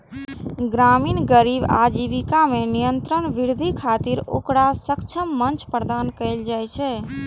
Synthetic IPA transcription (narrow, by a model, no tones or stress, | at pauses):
ɡɾaːmiːnɡəɾiba̰d͡ʒiʋikamenijənt̪ɾənʋiɾd̪ʱikʰat̪iɾo̰ːkɽasəkt͡ʃʰəmːənt͡ʃpɾəd̪aːnkəɪld͡ʒajt͡ʃʰɛ